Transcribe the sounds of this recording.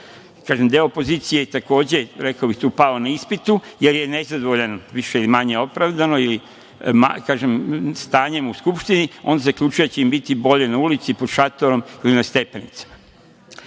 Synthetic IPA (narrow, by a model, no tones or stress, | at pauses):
kaːʒemd̪eoopo̞ziːt̪sijet̪ako̞ːd͡ʑe̞ɾe̞kaobixt̪uːpalonaispit̪uje̞ɾje̞nezad̪oʋoʎenoʋiʃeilimaɲe̞o̞pɾaʋd̪ano̞ili | ma̰kaːʒemst̪aːɲe̞muskupʃt̪inio̞̰nd̪azakʎut͡ʃujet͡ɕeimbit̪ibo̞ʎe̞naulit̪sipod̪ʃat̪o̞ɾo̞milinast̪e̞pe̞nḭt̪sḁma